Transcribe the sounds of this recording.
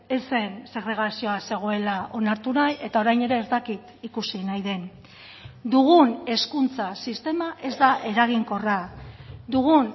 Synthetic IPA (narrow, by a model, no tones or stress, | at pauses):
ese̞nse̞ɣɾe̞ɣ̞asio̞ase̞ɣ̞o̞e̞laʔo̞naɾt̪unaje̞t̪ao̞ɾajne̞ɾe̞ːzt̪akit̪ikusinajðe̞n | d̪uɣ̞une̞skunt͡sasist̪e̞maʔe̞zd̪aʔe̞ɾaɣiŋko̞rad̪uɣun